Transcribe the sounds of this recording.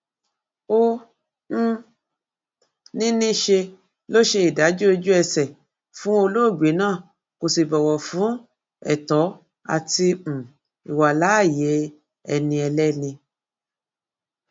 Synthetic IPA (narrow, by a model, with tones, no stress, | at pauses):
õ˧˦ | nĩ˦nĩ˦ʃe˧ | lo˦ʃe˧i˨da˨˦d͡ʒo˦e˧d͡ʒu˦ɛ˧sɛ˨ | fũ˨˦o˧lo˦˨ɡ͡be˨˦nãː˦˨ | ko˨si˨bɔ˨wɔ˨fũ˨˦ | ɛ̰˦˨tɔ˨˦ | a̰˨tĩ˧˨ | i˨wa˨la˨˦˨jɛ˨˦ | ɛ˧nĩ˧ɛ˧lɛ˦nĩ˧